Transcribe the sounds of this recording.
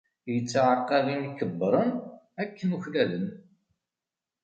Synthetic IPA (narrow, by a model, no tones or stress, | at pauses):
jət͡sːʕəqːɑlinikːəbːɾˤən | ækːənuçlæðən